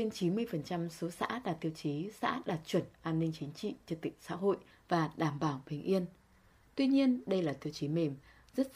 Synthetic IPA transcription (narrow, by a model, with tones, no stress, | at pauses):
t͡ɕe˧nt͡ɕi˨˦nmɨ˧əjfə˨˩nt͡ɕa˧mso˨˦sa̰ː˧˥ɗaː˨˩t̪i˧əwt͡ɕi˨˦sa̰ː˧˥ɗaː˨˩t̚t͡ɕwə˧˩nʔaː˧nːï˧ŋ̟t͡ɕi˨˦ŋ̟t͡ɕḭ˧˨t͡ɕɨ˧t̪ï˧˨˩ŋ̟sa̰ː˧˥ɦo̰˧˨j | vaː˨˩ɗaː˧˩mɓaː˧˩wɓi˨˩ŋ̟ʔi˧ən | t̪wi˧ɲi˧ənɗə˧jlaː˨˩t̪i˧əwt͡ɕi˨˦me˨˩m | zə˦˥t̚